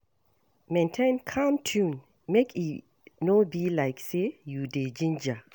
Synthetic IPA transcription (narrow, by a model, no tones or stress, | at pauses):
mẽntʰẽnkʰãmtʰũn | mekʰi | nobilaɪksejuded͡ʒĩnd͡ʒa